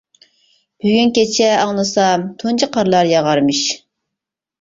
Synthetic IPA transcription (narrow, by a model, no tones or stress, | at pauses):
b̥yɡʲynkʲet͡ʃʰɛɑŋlˠɨsɑmt̪ʰunt͡ʃʰəqɑɾlˠɑɾjɑʁɑɾmɨʃ